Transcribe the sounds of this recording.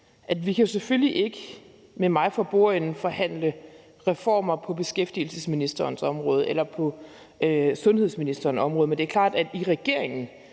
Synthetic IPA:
ʔædʋikʰæjo̝sefølːiʔe̝ɡ̥ə | memɑ̈ɪfɒ̽b̥o̝̰ɐ̰en̩fɒ̽hæn̰lə | ʁɛfɒ̰ːmɐpʰɒ̽b̥e̝sɡ̥efd̥il̩səsminisd̥ɐːnsɒ̽mʁɔ̽ːð̞ˠʔelɐpʰɒ̽ | øsɔ̽nheðˠsminisd̥ɐːnɒ̽mʁɔðˠmend̥e̝æɐkʰlɑ̰̈ːd̥æd̥iʁɛɡ̥e̝ɐɐ̰eŋn̩

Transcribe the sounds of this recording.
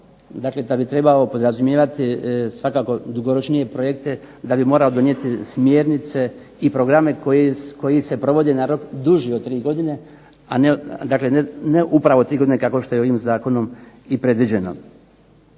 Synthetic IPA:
d̪akled̪abit̪ɾe̞bao̞po̞d̪ɾazumjeːʋat̪isʋakaːko̞d̪uɡo̞ɾo̞t͡ʃnije̞pɾo̞jekt̪e̞ | d̪abimo̞ːɾaod̪o̞nje̞t̪ismjeːɾnit̪se̞ | ipɾo̞ɡɾame̞kojeko̞jise̞pɾo̞ʋo̞d̪enaɾo̞kd̪uʒiot̪ːɾiːɡo̞d̪ine̞ | aned̪aːkle̞neʔupɾaʋo̞t̪ɾiːɡoinekako̞ʃt̪o̞jeoʋiːmzaːko̞no̞m | ipɾe̞d̪ʋid͡ʑe̞no̞̰

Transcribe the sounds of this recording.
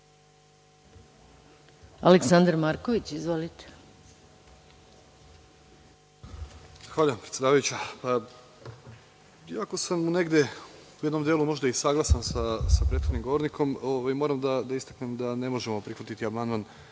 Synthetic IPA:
aleksand̪ɾmaɾkoʋit͡ɕizʋolit̪e̥ | xʋaːʎaampɾet̪jed̪aːʋajut͡ɕapa | iako̞sammune̞ɡd̪je̞ujed̪no̞md̪jelumo̞ʒd̪aisaɡlˠasansasapɾet̪xod̪nimɡo̞ʋo̞ɾnikʰo̞moːʋajmo̞ɾamd̪ad̪aist̪aknemd̪ane̞mo̞ʒemopɾixʋat̪it̪iabmand̪man

